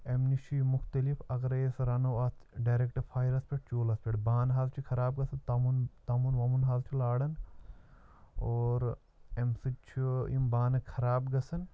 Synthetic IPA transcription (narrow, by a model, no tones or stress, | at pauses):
emnit͡ʃʰimuxt̪ɐlifɐɡɾɐjesɾɐnoːɐsɖaːjɾek̚ʈɐpʰaːjiɾɐspʲeʈ̚t͡ʃoːlɐspʲeʈbaːnɦaːzt͡ʃʰikʰɐɾaːb̚ɡɐsɐnt̪ɐmunt̪ɐmunʋɐmunɦaːzt͡ʃʰilaːɽɐn | oːɾ | emsɨt͡ʃʰimbaːnɐkʰɐɾaːbɡɐsɐn